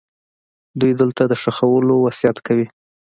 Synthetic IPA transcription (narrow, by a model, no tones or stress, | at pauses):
d̪ujd̪əlt̪ad̪əʂaxawəlowasjat̪kawi